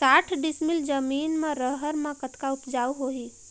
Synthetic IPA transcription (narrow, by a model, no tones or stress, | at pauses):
saːʈʰɖɪsmɪld͡ʒəmiːnmẽɾəɦəɾmãkət̪kaʊpd͡ʒaːwɦoɦiː